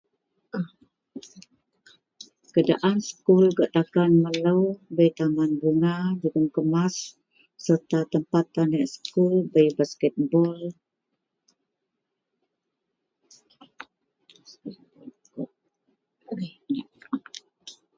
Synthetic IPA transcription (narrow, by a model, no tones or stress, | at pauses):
kəda̰ʔansə̥kulɡəʔt̪akanmələwbəjt̪amanbuŋad͡ʒuɡəmkəmasː | ərt̪at̪əmpat̪ːanɛʔsə̥kulbəjbaskət̪̚bɔl | a